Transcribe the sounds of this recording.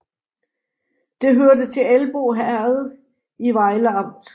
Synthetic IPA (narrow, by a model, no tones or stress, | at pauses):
d̥e̝ɦøɐdət͡sʰe̝ælb̥o̝̰ːɦæɐð̩ˠ | iʋɑ̈ɪləɑ̈m̰d̥